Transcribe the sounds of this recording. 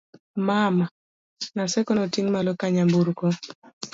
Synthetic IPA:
mama | nasɛkɔnɔtiŋmalɔkaɲambuɾko

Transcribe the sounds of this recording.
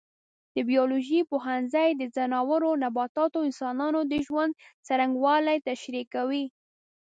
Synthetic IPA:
d̪̥əbijoloʒipoɦanzajd̪əzanɑwəɾonabɑt̪ɑt̪oɪnsɑnɑnod̪əʒwand̪̚t͡saɾaŋɡwɑlajt̪aʃɾikawi

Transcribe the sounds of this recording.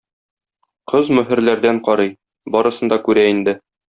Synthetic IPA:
qɤzmɵ̆ɦɘ̆ɾlæɾd̪æɴqɒɾɤj | bɒɾɤ̆sɤ̆nd̪ɑkʉɾæind̪ɘ

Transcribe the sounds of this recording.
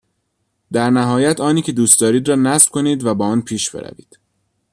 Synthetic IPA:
d̪̥æɾnæɦɒːjæt̪ʰɒːniːkcʰe̞d̪uːst̪d̪ɒːɾiːd̪ɾɒːnæsb̥kʰo̞niːd̪væbɒːɒːnpʰiːʃb̥eɾæ̰vḭːd̪̥

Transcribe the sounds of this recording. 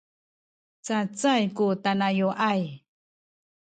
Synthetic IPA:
t͡sat͡sajkutanajoʔaj

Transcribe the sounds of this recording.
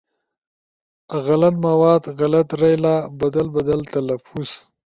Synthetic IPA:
ɣalat̪mawɑːd̪ɣalat̪ɾajlabad̪albad̪alt̪alafus

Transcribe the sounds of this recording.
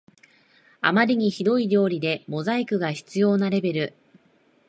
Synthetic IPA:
a̰maɾʲiɲ̟içid̪o̞iɾʲo̞ːɾʲid̪e̞mo̞zaikɯ̟ɡaçi̥t͡sɨjo̞ːnaɾe̞be̞ɾɯ̟

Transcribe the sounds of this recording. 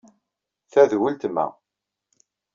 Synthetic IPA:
θæðwəlt̪mæ̰

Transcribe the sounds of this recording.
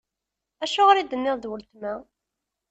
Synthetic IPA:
æʃʊʁɾid̪ənːɪððwəlt̪mæ

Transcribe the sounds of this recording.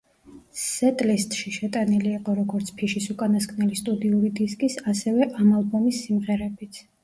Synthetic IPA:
sɛt̪ʼlist̪ʼʃiʃɛt̪ʼaniliːqʼɔɾɔɡɔɾt̪sʰpʰiʃisukʼanaskʰnɛlist̪ʼud̪iuɾid̪iskʼisasɛvɛʔamalˠbɔmisːimʁɛɾɛbit̪sʰ

